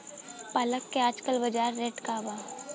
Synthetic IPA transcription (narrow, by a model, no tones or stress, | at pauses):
paːləkːeaːd͡ʒkəlbɐd͡ʒaːɾːeːʈkabaː